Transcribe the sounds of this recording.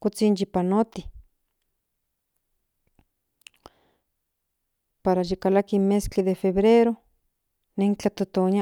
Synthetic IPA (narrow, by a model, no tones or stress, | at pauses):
kut͡sind͡ʒipanot̪i | paɾaʒikalakimeskiðefeβɾeɾo | neŋt͡ɬat̪ot̪oɲa